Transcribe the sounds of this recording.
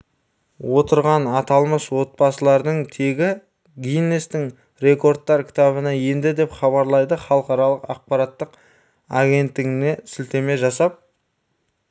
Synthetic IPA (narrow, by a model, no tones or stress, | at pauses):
wo̞t̪əɾʁɑnɑt̪ɑlˠməswo̞t̪̚bɑsəlˠɑɾd̪əɴt̪ʰe̞ɡʲɪ | ɡʲijnːest̪ɪŋ | ɾe̞ko̞ɾt̪ːɑɾkʲʰɪ̥t̪ɑβənɑje̞nd̪ɪd̪e̞pχɑβɑɾlˠɑjd̪əχɑlˠəqɑɾɑlˠəqɑq̚pɑɾɑt̪ːəq | aɡʲe̞nt̪ːɪŋɪne̞sɪlt̪e̞me̞ʒɑsɑp̚